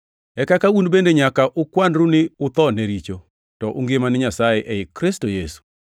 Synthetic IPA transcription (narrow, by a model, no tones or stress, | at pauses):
ɛkakaunbendeɲakaʔʊkwandɾunɪʊt̪ɔneɾit͡ʃo | tɔʔʊ̰ŋɡɪmanɪɲasajeʔɛɪkɾɪstojesu̥